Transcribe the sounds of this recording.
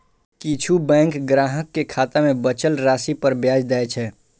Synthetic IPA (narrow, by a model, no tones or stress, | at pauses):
kit͡ʃʰubɛ̃ːŋkɡɾaɦəkːekʰaːt̪amebət͡ʃəlɾasipəɾbjaːd͡ʒd̪aɛt͡ʃʰɛː